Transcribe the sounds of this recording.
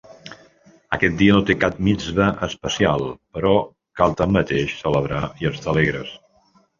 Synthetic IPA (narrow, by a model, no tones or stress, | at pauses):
ə̰kɛt̪̚d̪iənot̪ekap̚mid͡zβəʔəspəsialˠpəɾɔ | kalˠt̪amːət̪eʃsələβ̞ɾaiəst̪aleɣɾəs